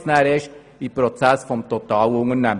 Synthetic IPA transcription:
snæɾɪʃ | ipɾot͡sæsfɔmt̪ot̪ɑːlʊŋənɛm

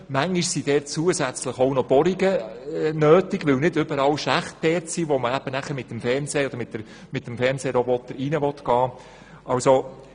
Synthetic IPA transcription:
mæŋːiʃsid̥ɛːtt͡suəzæt͡sləχɔʊnɔb̥ɔɾiɡənøːtiɡʋɪwnɪdʏbəɾɑwʃæχt̚d̥ɛːɾtsiːʋɔməæb̥ənæχəɾmɪtːəmfɛɾnsɛːɔd̥̪əɾmɪtːəɾ | mɪtːəmfɛɾnseːɾɔbɔt̪ːəɾinəʋɔt̪ɡ̥ɑː | ʔɑwso

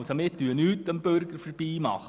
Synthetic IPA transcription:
somɪtyənyːtəmbøɾɡ̥əɾfəɾb̥iːmɑ̰χ

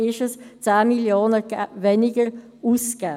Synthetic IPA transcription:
ɪʃəst͡saːmiljoːnəvɛnɪɡəɾ | uːsɡ̥aː

